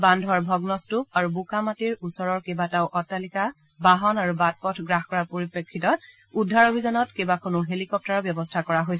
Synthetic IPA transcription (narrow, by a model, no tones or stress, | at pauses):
bandʱwaɹbʱɔɡnɔstup̚aɹubukamatiɹusɔɹɔɹkebataʊʔɔtːalika | baɦɔnaɹubat̚pɔtʰɡɹaxkɔɹaɹpoɹipɹekʰːitɔt | udʱːaɹobʱizanɔtkebakʰonuɦelikɔp̚taɹɔbjɔbɔstʰakɔɹaɦojsɛ